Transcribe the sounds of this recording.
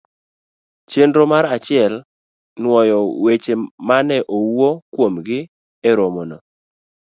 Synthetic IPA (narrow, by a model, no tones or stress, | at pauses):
t͡ʃendɾomaɾat͡ʃɪɛl | nwɔjɔwet͡ʃemanɛʔowokwomɡɪ | eɾomono